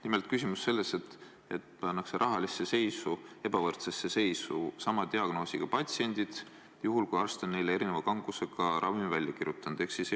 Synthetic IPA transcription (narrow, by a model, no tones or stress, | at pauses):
nimelt̪kysʲimusːe̞lːe̞se̞t̪ːˑ | e̞t̪pɑnːɑkseɾʔɑɦɑlisːe̞se̞jsue̞bɑvɤrt̪se̞sːe̞se̞jsusɑmɑt̪eɑɡ̥no̞ːsiɡ̥ɑpɑt̪sie̞nʲd̪id̪̥ | juɦulkujɑrst̪onːe̞jlee̞ɾine̞vɑkɑŋɡ̥use̞ɡɑɾʔɑvimvælʲjɑkiɾjut̪ːˑɑnd̪̥e̞hksis